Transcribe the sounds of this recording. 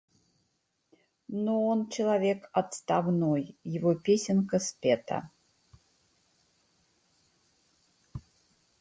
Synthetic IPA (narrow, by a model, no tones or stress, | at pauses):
noɔnt͡ʃɛlˠavʲekɐt̪st̪avnojjɪvɔpʲesʲɪnkɐspʲɛt̪ʰa̰